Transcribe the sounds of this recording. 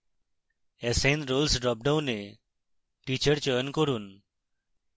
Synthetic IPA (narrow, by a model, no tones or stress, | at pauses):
esẽnɾolsɖɾɔp̚ɖawne | ʈit͡ʃəɾt͡ʃɔjɔnkoɾun